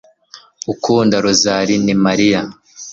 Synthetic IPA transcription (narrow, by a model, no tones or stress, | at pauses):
ukuːndaɾuzaːɾinimaɾija